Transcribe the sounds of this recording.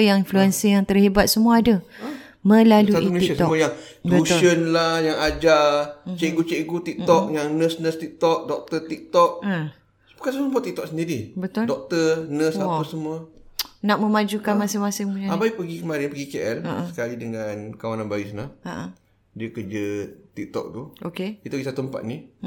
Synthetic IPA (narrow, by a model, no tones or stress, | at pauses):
jaŋinfluɛnsijaŋt̪ərhibat̪̚səmuaadə | mə̃laluatʔimleiasət̪ɔmuajaŋətlənlajaŋad͡ʒat͡ʃeɡut͡ʃeɡut̪ik̪̚ɔk̚jaŋnəsnəst̪ik̚t̪ɔk̚dɔk̚t̪ət̪ik̚t̪ɔk̚ə | bə̥kaəməbuaʔt̪ik̚t̪ɔksəndiɾibət̪ʊldɔk̚t̪ərnəsapəsəmuənaʔmə̃mad͡ʒukanmasɪŋmasɪŋmuɲaabaipəɡikəmaɾɪnpəɡikeʔɛləsə̥kalidəŋankawananbaisnaa | diəkərd͡ʒət̪ik̚t̪ɔ̰k̚t̪uʔokekit̪əɡisat̪ut̪əmpa̰t̪̚ni